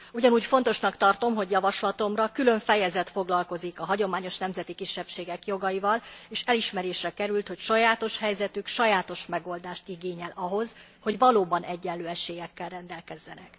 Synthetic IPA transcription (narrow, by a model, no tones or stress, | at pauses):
uɟɒnuːcfo̞n̪t̪o̞ʃnɒkt̪ɒrt̪o̞mɦo̞ɟjɒvɒʃlɒt̪o̞mrɒkylø̞ɱfɛjɛzɛt̪fo̞ɡlɒlko̞zikɒɦɒɟo̞maːɲo̞ʃnɛmzɛt̪ikiʃːɛpʃeːɡɛkjo̞ɡɒjivɒleːʃɛliʃmɛɾeːʃrɛkɛɾylt̪ho̞cʃɒjaːt̪o̞ʃhɛjzɛt̪ykʃɒjaːt̪o̞ʃmɛɡo̞ld̪aːʃt̪iɡeːɲɛlʔɒɦo̞z | ho̞ɟvɒloːbɒnʔɛɟːɛnløːɛʃeːjɛkːɛlrɛnd̪ɛlkɛzːɛnɛk